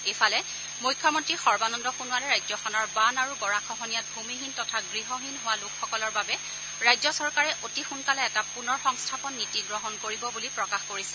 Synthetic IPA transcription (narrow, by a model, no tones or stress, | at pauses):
ejpʰalɛ | mujkʰːɔmɔntɹixɔɹbanɔndɔxunuwalɛɹajzɔxɔnɔɹbanaɹuɡɔɹakʰɔɦɔnijat̚bʱumiɦintɔtʰaɡɹiɦɔɦinɦowalʊkʰːɔkɔlɔɹbabɛ | ɹajzɔsɔɹkaɹɛʔotixunkalɛɛtapunɔɹxɔŋstʰapɔnːitiɡɹɔɦɔnkoɹibɔbulipɹɔkaxkoɹisɛ